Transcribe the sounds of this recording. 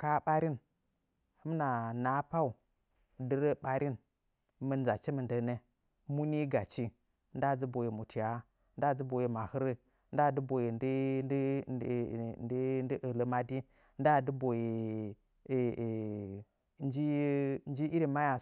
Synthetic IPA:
ka˦ɓa˦ɾi˦n | hɨ˦mna˨na˨˦pa˦u˨ | də˦ɾə˦ɓa˦ɾi˦n | mə˨n˨za˨t͡ʃe˦mə˨ndə˨ne˦ | mu˦ni˦ɡa˨t͡ʃi˦ | nda˦˨d͡zə˦bo˨ji˨mu˨tʰi˨ja˦ | nda˦˨d͡zi˦bo˨ji˨ma˨hɨ˦ɾə˦ | nda˦˨də˦bo˨ji˨d | ndndə˦ʔə˨lə˨ma˦di˦ | nda˦˨də˦bo˨ji˨ | nd͡ʒi˦n˦d͡ʒi˦ʔi˦ɾi˦ma˦ja˨

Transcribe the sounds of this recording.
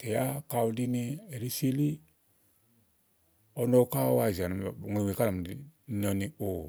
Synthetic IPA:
tɛ˨ja˦ka˧u˧di˦ni˧ɛ˨ɾi˦se˧li˦ | ɔ˧nɔ˧ka˦wa˧˨zi˨a˨n˨ŋʷe˧˨ŋʷe˨ka˦˨m˨i˨n˧ɔ˧ni˧o˨

